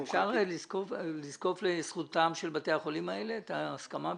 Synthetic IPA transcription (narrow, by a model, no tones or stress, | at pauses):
fʃaʁliskolizko̞flesχutamʃelbate̞aχo̞limaele̞ːtaːskama